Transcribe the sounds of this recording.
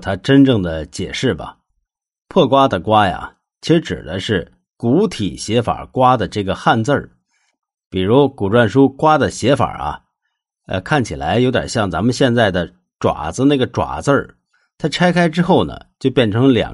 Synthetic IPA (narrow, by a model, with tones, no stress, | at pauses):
t̪ʰa˥ʈ͡ʂə˥nʈ͡ʂɤ˥˩ŋd̪ə˩t͡ɕjɛ̰˨˩ʂɻ̩˥˩bɐ̰˩ | pʰɤ˥˩kwa˥d̪ə˨kwa˥ja̰˩ | t͡ɕʰi˧˥ʂɻ̩˧˥ʈ͡ʂɻ̩̰˨˩d̪ə˦ʂɻ̩˥˩ | ku˧˥t̪ʰḭ˨˩ɕjɛ˧˥fa̰˨˩kwa˥d̪ə˨ʈ͡ʂɤ˥˩ɡə˩xa˥˧nt͡sə˞˥˧˩ | pi˨˩ɻu˧˥ku˨˩ʈ͡ʂwa˥˩nʂu˥kwa˥d̪ə˨ɕjɛ˧˥fa̰˨˩ɐ̰˧ | ə̰˧kʰa˥˩nt͡ɕʰi˨˩la˧˥ɪjo˧˥ja̰˨˩ɕjɑ˥˩ŋt͡sa˧˥mə˧nɕjɛ˥˧nt͡sa˥˩ɪd̪ə˩ | ʈ͡ʂwa̰˨˩d͡zɹ̩˧na˥˩ɡə˩ʈ͡ʂwa̰˨˩t͡sə˞˥˧˩ | t̪ʰa˥ʈ͡ʂʰa˥ɪkʰa˥ɪʈ͡ʂɻ̩˥xo˥˩ʊnə̰˩t͡ɕjo˥˧ʊpjɛ˥˩nʈ͡ʂʰɤ˧˥ŋljɑ̰˨˩ŋ